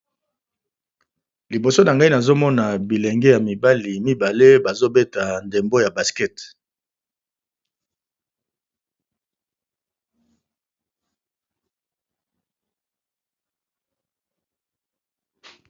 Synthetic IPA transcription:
li˨bo˨so˦na˨ŋɡa˦i˦na˨zo˦mɔ˦na˨bi˨le˨ŋɡɛ˦ja˨mi˨ba˦li˨mi˦ba˨le˦ba˨zo˦be˦ta˨nde˨mbo˦ja˨ba˨skɛ˦t

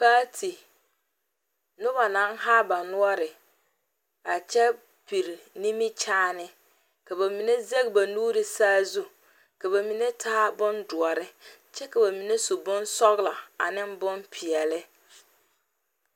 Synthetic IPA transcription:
paː˦tʰi˨ | nʊ˦βa˨na˨˦nɦa˦ba˨nʊ˦ɔ˦ɾɪ˨ | a˨t͡ʃɛ˦ | pi˨ɾi˨ni˦mi˦t͡ʃaː˦nɪ˦ | ka˨ba˨mi˨ne˦ze˦ɡ̚ba˨nuː˦ɾɪ˨saː˦zu˦ | ka˨ba˨mi˨ne˦tʰaː˦bʊ˦ndʊ˨ɔ˨ɾɪ˦ | t͡ʃɛ˦ka˨ba˨mi˨ne˦su˨bʊ˦nsɔ˦ɣla˨a̰˨nɪ˦mbʊ˦mpʰi˨ɛ˨lɪ˦

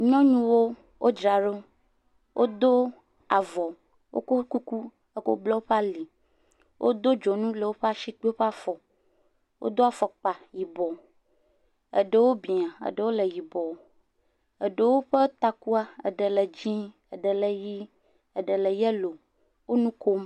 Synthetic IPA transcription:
ɲɔ̃˦ɲũ˦wo˦ | wʔo˦d͡ʒɾa˨ɖo˦ | wʔo˦d̪o˦ | a˨vɔ˨ | wo̰˦ko˦ku˦ku˦ | ə˦ko̰˦blɔ˦wo˦ɸa˦li˨ | wʔo̰˦d̪o˦d͡ʒɔ˨nũ˦lə˨wo˦ɸe˦a˦ʃi˦k͡pe˦wo˦ɸe˦a˦fɔ˨ | wʔo̰˦d̪o˦a˨fɔ˨k͡pa˨ji˨bɔ˨ | ə̰˨ɖə˨wo˦bi˨a˨ə̰˨ɖə˨wo˦lə˨ji˨bɔ˨ | ə˨ɖə˨wo˦ɸə˦t̪a˦ku˦a˦ə̰˨ɖə˨lə˨d͡ʑĩ˦ | ə˨ɖə˨lə˨ji˦ | ə˨ɖə˨lə˨jɛ˦lo˨ | wo˦nũ˦ko˦m

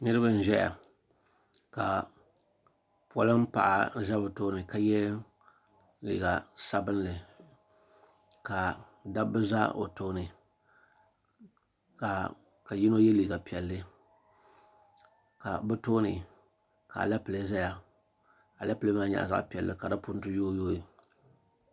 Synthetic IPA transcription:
nɨ˦ɾɨ˦ba˦n̩˨ʒɛ˦ja̰˨ | ka˨ | pɔ˦lɨ˦m̩˦pa̰˨ʔa˨za˦bɨ˨toː˦nɨ˨ka˨jɛ˦ | lḭː˨ɡa˨sa˦bɨ˦nlɨ˨ | ka˨ | da˦bɨ˦za̰˦ʔo̰˨toː˦nɨ˨ | ka˨ | ka˨ji˦no˦jɛ˦liː˨ɡa˨pi˨ɛ˨lːɨ˦ | ka˨bɨ˦toː˦nɨ˨ | ka̰˨la˦pɨ˨le˦za˦ja˨ | ka˨la˦ple˦maː˦ɲa̰˨ʔza̰˦ʔpi˨ɛ˨lːɨ̰˦ka˨da˦pʊ˦n˦tɨ˦joː˦joː˦˨

